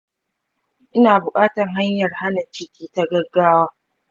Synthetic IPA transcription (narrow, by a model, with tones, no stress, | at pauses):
ʔɪ˦naː˨bʊ˨kʼaː˦tɐ˨ŋɦa˦ɲjɐ˨rha˦nɐ˨t͡ʃɪ˦kʲiː˦ta˦ɡɐ˦ɡaː˦waː˦